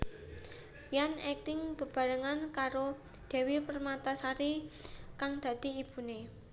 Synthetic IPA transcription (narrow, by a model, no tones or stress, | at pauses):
janɛk̚t̪ɪŋb̥ə̤b̥a̤ɾəŋankaɾo | d̪̥e̤wipərmat̪asaɾikaŋd̪̥ä̤d̪̥i̤ib̥ṳne